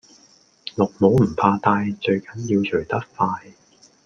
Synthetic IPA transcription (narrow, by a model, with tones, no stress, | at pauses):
lʊ˨k̚mo˨˥wm̩˨˩pʰaː˧t̪aː˧jt͡ʃɵ˧ɥkɐ˨˥njiː˧wt͡ʃʰɵ˨˩ɥt̪ɐ˥k̚faː˧j